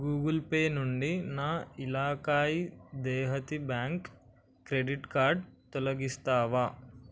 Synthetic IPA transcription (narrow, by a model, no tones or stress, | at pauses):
ɡuːɡɐlpeːnuɳɖinaːilaːkaːjid̪ɛːɦɐt̪ibjaːŋkː | ɾeɖiʈkaːɾɖt̪ɔlɐɡist̪aːʋaː